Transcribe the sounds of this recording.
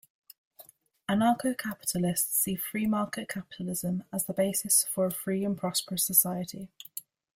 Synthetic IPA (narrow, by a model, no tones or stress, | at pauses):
ənɑˑkʰəʊkʰapɪ̥tʰəlɪstsiːfɹiːmɑˑkɪʔkʰapɪ̥tʰəlɪzə̃məzðəbeɪsɪsfəɹəfɹiːə̃npʰɹ̥ɒspəɹəsəsaɪətʰi